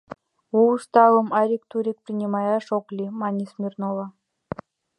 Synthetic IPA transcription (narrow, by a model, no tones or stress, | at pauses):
uuʂt̪ɑvɤ̆mɑɾʲik̚t̪uɾʲik̚prʲinʲimɑjɑʂoklʲimɑnʲismʲirnovɑ